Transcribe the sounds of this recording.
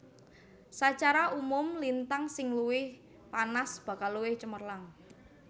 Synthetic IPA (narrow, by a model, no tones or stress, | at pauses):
sat͡ʃaɾaʔumʊmlint̪aŋsɪŋluwɪh | panasb̥ä̤kalːuwɪht͡ʃəmərlaŋ